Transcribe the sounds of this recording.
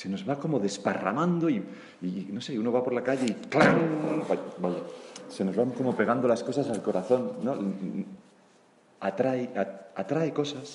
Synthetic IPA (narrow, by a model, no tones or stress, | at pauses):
seno̞zβako̞mo̞ðe̞spa̰ra̰mãnd̪o̞i | ino̞se̞uno̞βapo̞ɾlakaʎe̞iklaŋabaʎase̞no̞zβaŋko̞mo̞pe̞ɣand̪o̞lasko̞sasalko̞ɾaθo̞nːo̞ | at̪ɾaeaat̪ɾaeko̞sas